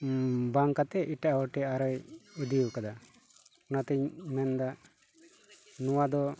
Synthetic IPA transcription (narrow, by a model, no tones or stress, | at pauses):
baŋkat̪ɛʔiʈaʔaɔʈɛaɾɔjud̪ijukad̪a | ɔnat̪ɛɲmɛnd̪a | nɔwad̪ɔ